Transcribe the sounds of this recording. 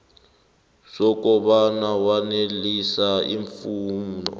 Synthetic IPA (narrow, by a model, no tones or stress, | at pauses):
sɔk̬ʼɔɓanawanelisaiɱfuːmnɔ̰